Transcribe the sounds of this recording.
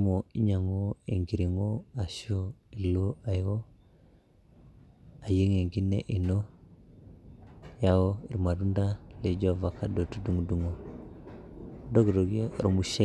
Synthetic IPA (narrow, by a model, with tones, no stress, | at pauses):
mo˨i˦ɲa˨ŋo˦e˨ŋɡi˨ɾi˨ŋo˦a˨so˦i˨lo˦a˨jwo˦ | a˨je˦ŋe˨ŋɡi˦nḛ˦ʔi˨no˦ | ja˨wo˦i˨ɾma˨ɾu˦nda˦le˨d͡ʒo˦˨va˨ka˦do˨tu˦du˨ŋ˨du˨ŋo˨ | do˦ɡdo˨ɡo˦˨ɾmu˨ʃe˦